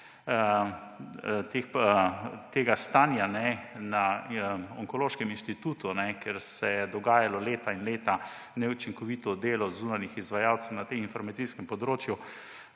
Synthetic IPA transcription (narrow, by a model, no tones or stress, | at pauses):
t̪ex | t̪eːɡast̪anjanɛna | ɔŋkɔloːʃkɛminʃt̪it̪uːt̪unɛkɛɾsɛjɛd̪ɔɡaːjalɔleːt̪ainleːt̪a | nɛut͡ʃiŋkɔʋit̪ɔd̪eːlɔzuːnanjixizʋajaːwt̪sɛwnat̪eminfɔɾmat̪siskɛmpɔd̪ɾoːt͡ʃju